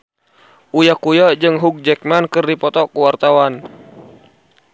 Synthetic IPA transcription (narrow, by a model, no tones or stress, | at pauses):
ʔujakujad͡ʒɨŋɦuk̚d͡ʒɛk̚mankɨrdipɔt̪ɔkuwart̪awan